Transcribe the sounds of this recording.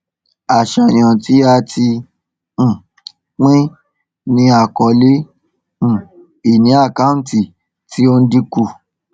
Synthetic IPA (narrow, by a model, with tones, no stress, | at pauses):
a˨ʃa˨j̃ã˨ti˨˦a˧tʰĩ˧˨ | k͡pĩ˦ | nĩ˧a˦˨kɔ˨˧lẽ˦˨ | i˦˨nĩ˨˦a˦˨ka˦ũ˦ti˨ | ti˦o˧n̩˦di˧ku˦˨